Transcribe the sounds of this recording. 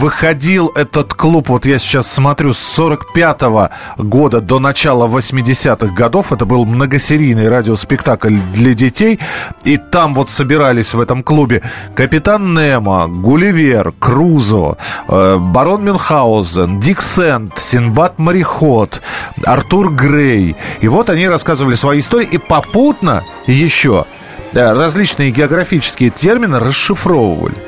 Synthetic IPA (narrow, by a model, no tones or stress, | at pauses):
vɨxɐdʲilˠɛt̪ət̪klˠupvo̞t̪jasʲɪ̥t͡ɕasːmɐt̪ɾʲusːo̞ɾəkpʲat̪əvə | ɡo̞d̪əd̪o̞nɐt͡ɕalˠəvəsʲmʲɪdʲɪsʲat̪ɨɣɡɐd̪o̞fɛt̪əbɨlˠmnəɡəsʲɪɾʲijnɨjɾadʲɪospʲɪkt̪aklʲd̪lʲɐdʲɪtʲejit̪amvo̞t̪səbʲɪɾalʲɪsʲvɛt̪əmklˠubʲɪkəpʲɪt̪anːɛmə̰ɡʊlʲɪvʲerkruzo̰ | bɐɾo̞nmʲɪnxaʊzəndʲiksɛnt̪sʲɪnbat̪məɾʲɪxo̞t̪ɐ̰rt̪urɡrejɪvo̞t̪ɐnʲiɾɐskazəvəlʲɪsvɐjiɪst̪o̞ɾʲɪjʔipɐput̪nə̰ | jɪɕːo̰ | rɐzʲlʲit͡ɕnɨjəɡʲɪɐɡɾɐfʲit͡ɕɪ̥skʲɪjətʲe̞rmʲɪnɨɾəsɨfɾo̞və̰və̰lʲɪ̰